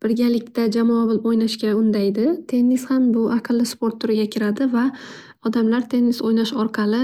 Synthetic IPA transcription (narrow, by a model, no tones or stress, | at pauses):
b̥ɪɾɡʲalɪkʲt̪ad͡ʒamɒabʊlˠɪpojnaʃkʲaʊnd̪ajd̪ɪt̪ʰe̞nːɪshambʊʔɑqʰɨlˠːɪspo̞ɾt̪ʰːʊɾɪɡʲakʲʰɪɾad̪ɪva | ɒd̪amlaɾt̪ʰe̞nːisojnaʃɒɾqʰɑlˠɪ